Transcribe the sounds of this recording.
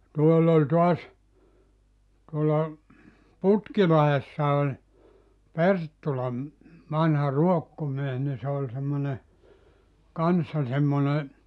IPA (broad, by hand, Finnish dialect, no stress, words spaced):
tuolː olʲ tuɑs tuolːɑ putkilɑhesːɑ olʲ pertːulɑ ʋɑnhɑ ruokːomies ni se olʲ semːone kɑnsːɑ semːone